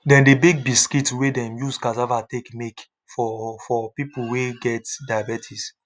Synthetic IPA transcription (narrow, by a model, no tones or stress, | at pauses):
dɛ̃ndebiɡ̚biskitwedɛ̃mjuskazavatekmek | fɔfɔpipulweɡɛtdajabɛtʰis